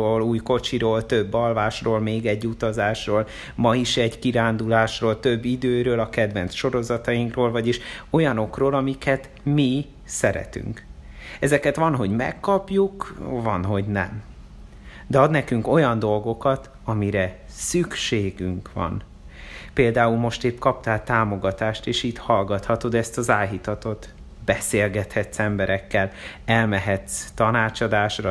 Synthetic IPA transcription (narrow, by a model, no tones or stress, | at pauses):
oːluːjko̞t͡ʃiɾoːlt̪ø̞bːɒlvaːʃroːlmeːɡɛɟːut̪ɒzaːʃroːl | mɒiʃɛɟkiɾaːnd̪ulaːʃroːlt̪ø̞bːid̪øːɾøːlɒkɛd̪vɛnsʃo̞ɾo̞zɒt̪ɒjiŋkroːlvɒɟiʃo̞jɒno̞kroːlɒmikɛt̪ | mi | sɛɾɛ̰t̪y̰ŋkɛzɛkɛt̪ʋɒnɦo̞ɟmɛ̰kːɒpjukvɒnɦo̞ɟnɛ̰m | d̪ɛɒd̪nɛkyŋko̞jɒnd̪o̞lɡo̞kɒt̪ | ɒmiɾɛ | sykʃeːɡyŋkʋɒ̰n | peːld̪aːulmo̞ʃt̪eːpkɒpt̪aːt̪aːmo̞ɡɒt̪aːʃt̪eːʃiːt̪hɒlɡɒt̪hɒt̪od̪ɛst̪ɒzaːlɦit̪ɒt̪o̞t̪ | b̥ɛseːlɡɛt̪hɛt̪sɛmbɛɾɛkːɛl | ɛlmɛɦɛt̪st̪ɒnaːt͡ʃɒd̪aːʃrɒ